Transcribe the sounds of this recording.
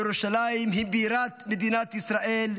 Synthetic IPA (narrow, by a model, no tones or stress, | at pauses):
ɾoʃalaːimɦɪmbiɾaːt̪med̪iːnat̪isɾaːʔeːl